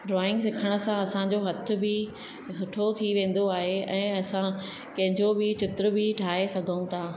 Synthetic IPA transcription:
ɖɾɔːɪ̃ŋɡs̬ɪkʰəɽ̃ə̆sãɐsãd͡ʑoɦɐt̪ʰʊ̆bɪ | sʊʈʰot̪ʰiʋẽːn̆d̪oaːɦeɛ̃ːɐsã | kɐ̃ɦɪ̃ɲd͡ʑobɪt͡ɕɪt̪ɾəbɪʈʰaːɦesɐɡʱəũt̪ʰaː

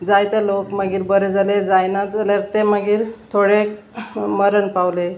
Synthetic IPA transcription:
d͡zajt̪elokməɡiːɾbəɾed͡zaled͡zajnad͡zalaɾt̪eməɡiːɾt̪ʰoɽe | məɾənpawle

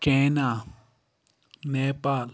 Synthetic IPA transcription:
kẽnã | nepal

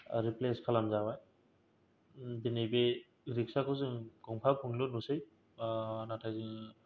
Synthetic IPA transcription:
ɾipleskʰalamzawaj | binijbe | ɡɾik̚sakʰɯzɯŋɡ̥ɔŋpʰapʰuŋlɯnusɯj | natʰajzɯŋ

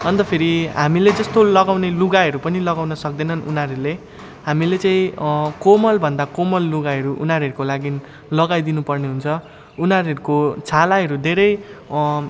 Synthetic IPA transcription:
ʌnt̪ʌpʰeɾiɦamiled͡zʌst̪olʌɡawneluɡaɦʌɾupʌnilʌɡawnʌsʌk̚d̪ʌnʌnunaɾule | ɦamilet͡saĩkomʌlbʱʌnd̪akomʌlːuɡaʌɾuʔṵnɦaɾuɦʌɾukolaɡin | lʌɡajd̪inupʌrneɦunt͡sʰʌ | unaɾɦʌɾukot͡sʰalaɦʌɾud̪ʱeɾʌj

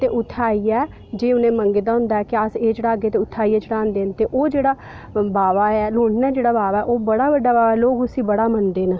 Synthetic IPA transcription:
t̪eːʔʊt̪ʰːaːiːɛː | d͡ʒeːʊnẽːməŋɡeːd̪aːɦʊ̃nd̪aːɛːkɪaːseːd͡ʒeɽaːɡeːt̪eːʊt̪ʰːaːiːɛːt͡ʃɪɽãːnd̪eːnt̪eːʔoːd͡ʒeːɽaː | baːʋaːɛːloːɳɖnaːd͡ʒeːɽaːbaːʋaːɛːʔoːbəɽaːbəɖːaːbaːʋaːloːɡʊsiːbəɽaːmənd̪eːnaː

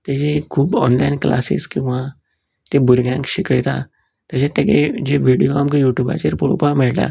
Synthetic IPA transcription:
t̪ed͡ʑekʰuːbɔnlainkla̰sḭskĩw̃ʋa | t̪ebuɾɡjãŋkɕikəjt̪a̰ | t̪aɕãt̪aked͡ʑeʋiɽijoamkijuʈjuba̰t͡ɕeɾpuɽo̰pamɛɭʈa̰

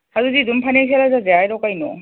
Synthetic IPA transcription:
hazuzidumpʰanas̬alazazeajɾɔwkajnɔ

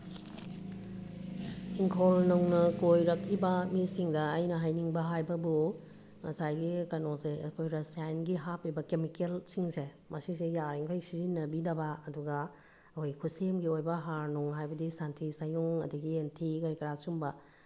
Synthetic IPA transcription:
iŋkʰolnɐwnɐkojɾɐkibɐmisiŋdɐːjnɐɦajniŋbɐɦajbɐbu | mɐsajɡikɐnoseɐkʰojɾɐsajnɡiɦapojbɐkemikelsiŋse | mɐsis̬ejaiŋkʰojsizinːɐbidɐbaːduɡa | ɐkʰojkʰusemɡiojbɐɦaɾnuŋɦajbɐdisantʰisajuŋɐ̰diɡientʰikɐɾikɐɾasumbɐ

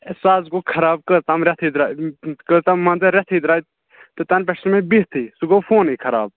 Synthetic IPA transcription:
saːzɡokʰɐɾaːb̚kət̪ɐmɾɛt̪ʰiːd̪ɾaːkət̪ɐmːɐnzɐɾɛt̪ʰiːd̪ɾaːj | t̪ɨt̪ɐnp̬ɛʈsmẽbiɦt̪ʰiːsuɡofoːniːkʰɐɾa̰ːb̚

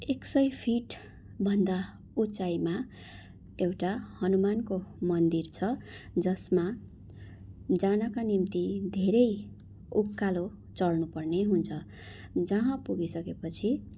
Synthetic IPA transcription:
eksʌjpʰiʈ | bʱʌnd̪a | ut͡sajma | ewʈahʌnumankomʌnd̪irt͡sʰʌd͡zʌsma | d͡zanʌkanimt̪id̪ʱeɾʌj | ukːalo | t͡sʌlnupʌrneɦunt͡sʰʌ | d͡zʌɦãpuɡisʌkepʌt͡sʰi

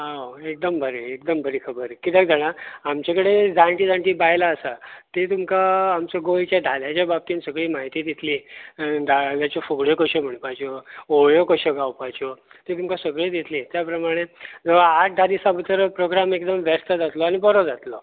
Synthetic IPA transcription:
ɦaoek̚d̪əmbʱəɾeek̚d̪əmbʱəɾiːkʰəbəɾkit̪jakd͡zaɽ̃aamt͡ɕakəɽed͡zãɳʈiːd͡zãɳʈiːbajlaːsat̪et̪umkaːmt͡səɡojt͡ɕjad̪ʱaljat͡ɕjabab̚t̪iːnsəɡɭiːmaɦit̪iːd̪it̪liːd̪aljat͡ɕɔfoɡɭjokəɕɔm̤əɳpat͡ɕɔoɭjokəɕəɡawpat͡ɕɔ | t̪et̪umkasəɡɭed̪it̪lit̪japɾəmaɽ̃ed͡zəʋ̤aːʈ̚d̪ʱad̪isabʱət̪əɾpɾoɡɾamekd̪əmʋɛst̪əd͡zat̪lɔañibɔɾɔd͡zat̪lɔ

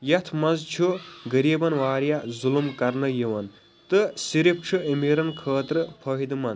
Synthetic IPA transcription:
jɐt̪ʰmɐzt͡ʃʰuɡɐɾiːbɐnʋaːɾjazulumkɐɾnɐjiʋɐn | t̪ɨsiɾip̚ʰʈ͡ʂʰɨimiːɾɐnkʰəːt̪ɾɨpʰɐɦid̪mɐn

